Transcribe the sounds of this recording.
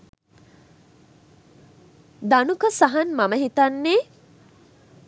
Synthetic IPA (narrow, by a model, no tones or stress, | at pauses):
d̪anukəsaɦanmɐməɦit̪anːeː